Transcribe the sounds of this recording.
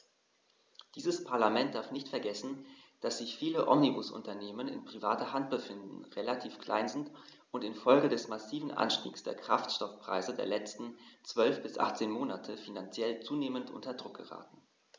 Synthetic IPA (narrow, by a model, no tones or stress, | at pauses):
d̥iːzəspʰaɐlamɛnt̚d̥aɐfnɪçtfɛɐɡɛsn̩d̥asz̥ɪçfiːləʔɔ̰mnibʊsʔʊ̰ntɐneːmənɪ̰npʁ̥ivaːtɐhantb̥əfɪndn̩ʁelatʰiːfkl̥ʔa̰ɪnzɪnt | ʊntɪnfɔlɡədɛsmasiːvn̩ʔa̰nʃtḭːksd̥ḛːɐkʁ̥aftʃtɔfpʁ̥a̰ɪzədeːɐlɛt͡stn̩t͡sv̥œlfb̥ɪsʔa̰χt͡seːnmoːnatʰəfinant͡sjɛlt͡suːneːməntʔʊ̰ntɐdʁʊk̚ɡ̥əʁa̰ːtn̩